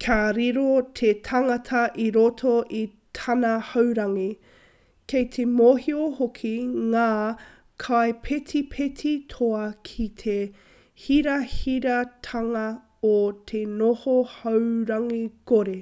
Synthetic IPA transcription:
kʰaɾiɾot̪ʰetʰɐŋɐtʰɐʔiɾotʰoʔi | tʰɐnɐhɐwɾɐŋi | kʰejt̪ʰemoːhiohokʰiŋaː | kʰaepʰetʰipʰet̪ʰitʰoɐkʰitʰe | hiɾɐhiɾɐt̪ʰɐŋɐ | ot̪ʰenohohɐwɾɐŋikoɾe

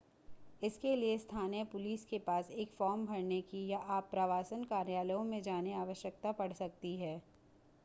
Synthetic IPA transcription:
ɪskeliest̪ʰaːnijəpʊliːskepaːseːkfɔːɾmbʱɐɾnekijaʔaːpːɾaʋaːsənkaːɾjaːləjõmẽd͡ʒaːneaːʋəʃjək̚t̪apɐɽ̤sɐk̚t̪iɦɛː

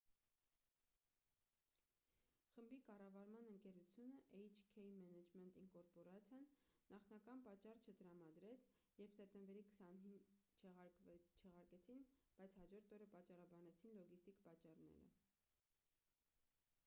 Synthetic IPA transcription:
χəmbikɑrɑvɑɾmɑnəŋkɛɾut͡sʰjunəʔɛjt͡ʃʰkʰɛjmɛnɛd͡ʒmɛnt̪iŋkɔɾpɔɾɑt͡sʰjɑnːɑχnɑkɑnpɑt͡ʃːɑrt͡ʃʰət̪əɾɑmɑd̪ɾɛt͡sʰ | jɛɾpʰsɛp̚t̪ɛmbɛɾikə̥sɑnhint͡ʃʰɛt͡ʃʰɛʁɑɾkɛt͡sʰinb̥ɑjt͡sʰhɑd͡ʒɔɾt̪ʰɔɾəpɑt͡ʃːɑrɑbɑnɛt͡sʰinlɔɡist̪ikpɑt͡ʃːɑrnɛ̰ɾə̰

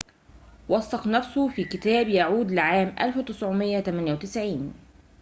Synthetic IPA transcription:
wɑsˤːɑqnæfsʊfiːkɪt̪æːbjaʕuːd̪lɪʕaːmʔa̰lfwt̪ɪsʕʊmɪjːat̪æmanjawt̪ɪsʕiːn

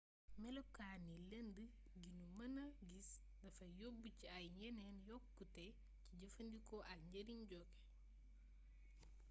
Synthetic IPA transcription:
mɛlokːaːnilendə | ɡinumɐnɐɡis | dɐfɐjobːuciɐjɲɛnɛnjɔkːutɛ | ciɟɐfɐndikɔʔɐɲɟɐɾiɲɟɔkɛ̥

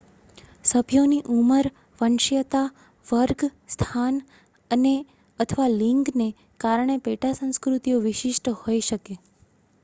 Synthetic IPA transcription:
səbʱjoniʔuməɾ | ʋənʃjət̪a | ʋəɾɡst̪ʰan | əne | ət̪ʰəʋaliŋɡne | kaɾəɳepeʈasə̃w̃skɾut̪ijoʋɪʃɪʃʈəhojʃəke

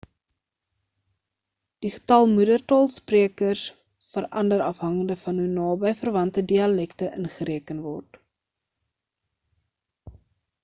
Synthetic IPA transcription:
d̥iχə̥tɐlˠmudərtɑːlˠspriəkərs | fəɾʔɐndəɾɐfɦɐŋəndəfɐnɦunɑːbəjfərvɐntədiɐlɛktəʔənχəɾiəkənvɔrt

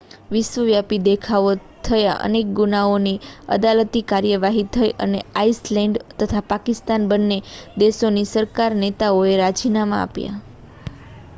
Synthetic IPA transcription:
ʋɪʃʋəʋjapid̪ekʰao | t̪ʰəja̰ʔə̰nek̚ɡunaoniə̰d̪alət̪ikaɾjəʋaɦit̪ʰəiʔə̰neaislɛɳɖt̪ət̪ʰapakɪst̪anbənːed̪eʃonisəɾkaɾnet̪aoeɾad͡ʒinama̰a̰pja̰

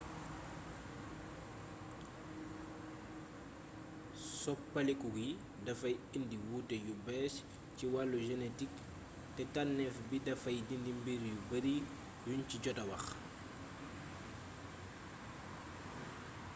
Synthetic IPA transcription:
sɔpːɐlɛkuɡi | dɐfɐjindiwutejubɛs | ciwalːuʒɛnetik | tɛtanːɛfbidɐfɐjdindimbiɾjubɐɾi | junciɟɔtɐwɐx

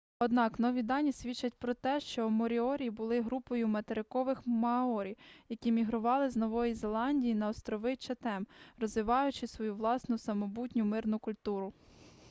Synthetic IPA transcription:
ɔd̪nɑknɔʋʲid̪ɑnʲisʲʋʲit͡ʃːɐtʲpɾɔt̪ɛʃt͡ʃɔmɔɾʲiɔɾʲibʊlˠɪɦɾupɔjʊmɐt̪eɾɪkɔʋɪxmɐɔɾʲiwjɐkʲimʲiɦɾʊʋɑlˠɪznɔʋɔjizelˠɑnʲdʲijinɐɔst̪ɾɔʋɪt͡ʃɐt̪ɛmrɔzʋɪʋɑjʊt͡ʃɪsʋɔjuʋlˠɑsnʊsɐmɔbutʲnʲʊmɪrnʊkʊlʲt̪uɾʊ

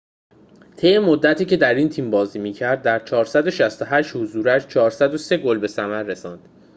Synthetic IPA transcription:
t̪ʰejemod̪ːæt̪ʰiːcʰe̞d̪æɾiːnt̪ʰiːmbɒːziːmiːcʰæɾd̪̚ːæɾt͡ʃʰɒːɾsæd̪o̞ʃæst̪o̞ɦæʃt̪hozuːɾæʃt͡ʃʰɒːɾsæd̪o̞se̞ɡolbe̞sæmæɾːe̞sɒːnd̪̥

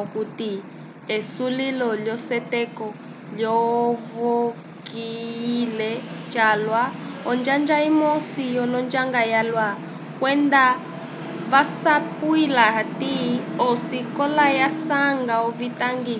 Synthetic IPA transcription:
kuti | esulilɔljɔsɛtɛkɔ | lɔvo | kiːlɛt͡ʃalwaɔnd͡ʒand͡ʒaimɔsijɔlɔnd͡ʒaŋɡajalwa | kwɛnd̪a | βasapuilaɦatiɔsikɔlajasaŋɡaɔβitaŋɡi

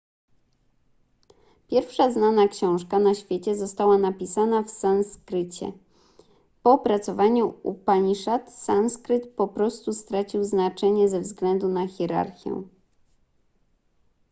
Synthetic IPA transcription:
pʲjɛɾfʂaznanakɕɔ̃w̃ʂkanaɕfʲjet͡ɕɛzɔst̪awanapʲisanafsanskɾɘt͡ɕɛ̰ | pɔpɾat̪sɔvaɲuṵpaɲiʂat̪sanskɾɘt̪pɔpɾɔst̪ust̪ɾat͡ɕiwznat͡ʂɛɲɛzɛvzɡlɛnd̪unaxʲɛɾa̰ɾxʲjɛ̰̃

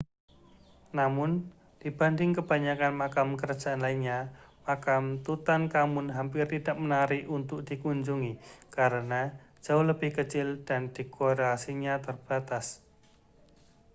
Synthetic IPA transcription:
namʊn | d̥ib̥andɪŋkəb̥aɲakanmakamkəɾḁd͡ʒ̥aanlainɲamakamt̪ut̪ankamʊnɦampɪrt̪id̥aʔmənaɾiʔunt̪ʊk̚d̥ikuɲd͡ʒuŋikaɾənḁ | ʒ̥aʊhləbɪhkət͡ʃɪld̥and̥ikoɾasiɲat̪ərb̥at̪as

